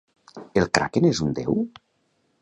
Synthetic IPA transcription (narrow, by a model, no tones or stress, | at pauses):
elˠkɾa̰kenezund̪ḛw